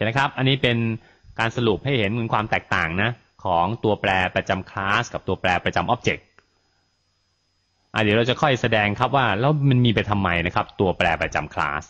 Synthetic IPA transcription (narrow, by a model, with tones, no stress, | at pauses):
na˦˥kʰa˦˥p̚ʔa˧nːiː˦˥pe˧n | kaː˧nsa˧lu˨˩p̚ha˥˩jhe˩˦nmu˩˦nkwaː˧mt̪ɛː˨˩k̚t̪aː˨˩ŋna˦˥ | kʰɔː˩˦ŋt̪u˧ɐplɛː˧pɾa˧t͡ɕa˧mkʰlaː˦˥ska˨˩p̚t̪u˧ɐplɛː˧pɾa˧t͡ɕa˧mʔɔː˦˥p̚t͡ɕe˨˩k̚ | ʔa̰˧˨˩di˨˧˦ɾa˧wt͡ɕa˨˩kʰɔ˥˩jsa˧dɛː˧ŋkʰɾa˦˥p̚waː˥˩lɛː˦˥wma˧nmiː˧pa˧jt̪ʰa˧mːa˧jna˦˥kʰa˦˥p̚t̪u˧ɐplɛː˧pɾa˧t͡ɕa̰˧mkʰla̰ː˦˥s